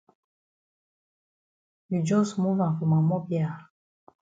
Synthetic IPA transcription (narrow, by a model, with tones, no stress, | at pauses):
bi˨d͡ʒɔ˦smũ˦vã˨fu˨mã˨mɔ˦bja˨